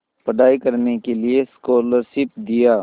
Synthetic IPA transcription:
pɐɽaːikɐɾnekelieskoːləɾʃɪp̚d̪ijaː

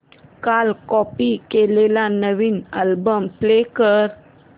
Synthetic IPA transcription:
kalkɔpikelelanəʋiːnalbəmplekəɾ

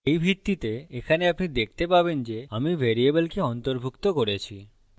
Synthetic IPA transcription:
ejbʱiɾt̪ːit̪eekʰaneapnid̪ek̚ʰt̪epabend͡ʑeamivʱeɾiebelkeɔnt̪oɾbʱukt̪okoɾet͡ɕʰi

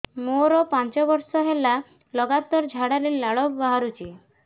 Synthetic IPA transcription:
moɾɔpant͡ʃɔbɔɾsɔɦela | lɔɡat̪ɔɾd͡ʒʱaɽaɾelaɭɔkbaɦaɾut͡ʃʰi

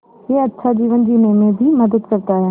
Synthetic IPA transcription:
ɦeːɐtːʃʰad͡ʑiːʋə̃nd͡ʒ̪iːnemẽbʱimɐd̪əd̪kɐɾt̪aːɦjeː

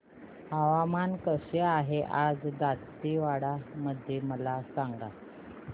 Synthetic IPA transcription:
aʋamankəɕeaɦeʔad͡zd̪at̪ː | iʋaɽaməd̪ʱjeməlasaŋɡa

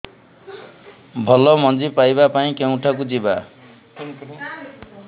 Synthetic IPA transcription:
bʱʌlɔmʌnd͡zipajbapaĩkew̃ʈʰakud͡ziba

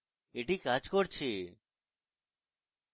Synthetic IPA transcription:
eʈikad͡ʑkoɾt͡ɕʰe

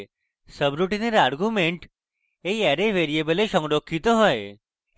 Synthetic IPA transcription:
səbɾuʈineɾaɾɡumeɳʈ | eaɾeʋeɾiebəleʃɔ̃ŋɡɖokʰːit̪oɦɔj

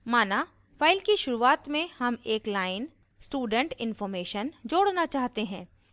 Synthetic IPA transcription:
maːna | fʰaːɪlkiʃʊɾuaːt̪mẽhɐmeːklaːɪn | sʈuːɖə̃ɳʈɪ̃nfɔːɾmeːʃənd͡ʒoːɽnat͡ʃaːɦt̪eɦɛ̃ː

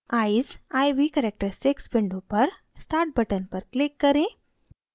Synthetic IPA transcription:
aisajʋikɛɾek̚ʈəɾseksbiɳɖupəɾ | sʈaɾʈ̚bəʈənpəɾklikːəɾẽ

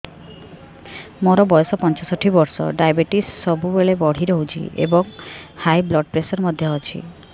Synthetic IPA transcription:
moɾɔbɔjɔsɔpɔnt͡ʃasɔʈʰibɔɾsɔ̰ɖajbeʈisːɔbubeɭebɔɽ̤iɾɔɦut͡ʃʰḭʔḛbɔŋhajblɔɖpɾesɔɾmɔd̪ʱjɔɔt͡ʃʰḭ

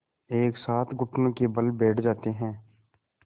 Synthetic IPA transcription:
eːksaːt̪ʰɡʊʈʰnõkebəlbɛːʈʰd͡ʒaːt̪eɦɛ̃ː

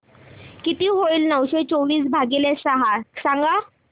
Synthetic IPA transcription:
kit̪iːɦoiːlnəwɕet͡soʋiːs̬bʱaɡilesaɦasaŋɡa

